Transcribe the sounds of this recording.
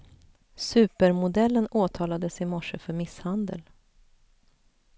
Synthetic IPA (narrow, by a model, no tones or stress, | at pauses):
sʉ̟ːpəɾmʊd̪ɛlːənoːt̪ʰɑːlad̪əsɪmɔʂəfœɾmɪshand̪ə̰l